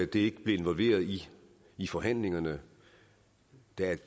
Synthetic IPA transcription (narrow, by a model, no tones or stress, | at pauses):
æd̥e̝e̝ɡ̥əb̥le̝e̝nʋɒ̽lʋe̝̰ːɐðˠiː | fɒ̽ɦæn̰le̝ŋɐnə | d̥æ